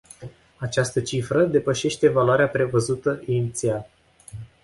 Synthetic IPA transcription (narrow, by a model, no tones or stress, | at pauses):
at͡ʃast̪ət͡ʃifɾəd̪e̞pəʃe̞ʃt̪e̞valoaɾeapɾe̞vəzut̪əʔinit̪sia